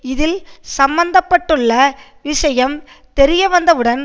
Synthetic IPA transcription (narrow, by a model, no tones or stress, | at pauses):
ɪðɪlsɐmbɐnd̪ɐpːɐʈːɯɭːɐ | ʋɪʂɐjɐm | t̪ɛɾɪjɐʋɐnd̪ɐʋɯɽɐn